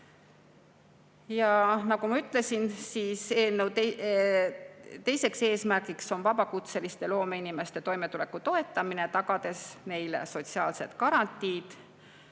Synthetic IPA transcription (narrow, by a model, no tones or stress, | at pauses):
jɑnɑkumɑyt̪ːˑle̞sinsiːseːlnewt̪e | t̪e̞jse̞kse̞ːsmærkikso̞nvɑbɑkut̪se̞list̪e̞lo̞ːme̞inime̞st̪e̞t̪o̞jme̞t̪ule̞kːˑut̪o̞e̞t̪ːˑɑmine̞t̪ɑɡ̥ɑd̪e̞sne̞jle̞̰so̞t̪ʲsiɑːlse̞t̪kɑɾɑnʲt̪ːˑiːd̪̥